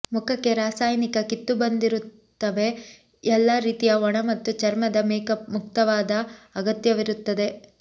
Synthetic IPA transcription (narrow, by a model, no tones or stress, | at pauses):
mukʰɐkːe̞ɾaːsaːjnikɐkit̪ːubɐnd̪iɾut̪ːɐʋe̞ | ɛlːɐɾiːt̪ijɐɔɳɐmɐt̪ːut͡ʃɐɾmɐd̪ɐmeːkɐmuk̚t̪ɐʋaːd̪ɐːɡɐt̪jɐʋiɾut̪ːɐd̪e̞